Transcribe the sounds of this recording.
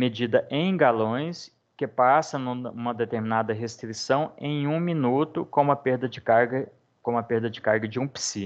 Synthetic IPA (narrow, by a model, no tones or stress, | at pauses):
med͡ʒid̪ɐʔẽj̃ɡalõj̃s | kɪpasɐnũũmɐd̪et̪eɾminad̪ɐɦest̪ɾisɐ̃w̃ḛ̃j̃ũminut̪ʊkõmɐpeɾd̪ɐd͡ʒɪkaɾɡɐ | kõɐpeɾd̪ɐd͡ʒɪkaɾɡɐd͡ʒɪũpsi